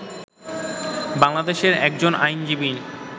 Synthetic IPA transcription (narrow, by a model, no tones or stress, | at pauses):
baŋlad̪eʃeɾɛk̚d͡ʑonajnd͡ʑibi